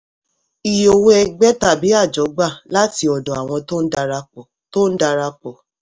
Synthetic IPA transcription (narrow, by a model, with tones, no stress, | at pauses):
i˨jo˨wo˦ɛ˧ɡ͡bɛ˦ta˦˨bi˨˦a˦˨d͡ʒɔ˨˦ɡ͡ba˦˨la˦ti˧˦ɔ˨dɔ̃˨a˨w̃ɔ̃˧to˦n̩˦da˧ɾa˧k͡pɔ˨ | to˦n̩˦da˧ɾa˧k͡pɔ˨